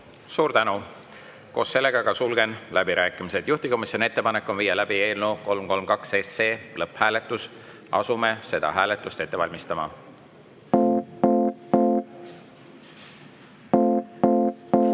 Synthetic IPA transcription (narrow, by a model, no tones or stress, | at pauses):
suːɾt̪ænu | ko̞ːssːe̞lːe̞ɡ̥ɑɡɑsulɡ̥e̞nlæb̥iɾæːkːˑimised̪̥juht̪iko̞misjo̞nie̞t̪ːe̞pɑnekːˑo̞nviːjɑlæb̥ie̞ːlnoko̞lmko̞lmkɑkseseːlɤphæːle̞t̪ːˑus | ɑ̰sume̞se̞d̪̥ɑ̰ɦæːle̞t̪ːˑust̪e̞t̪ːe̞vɑlʲmist̪ɑmɑ̰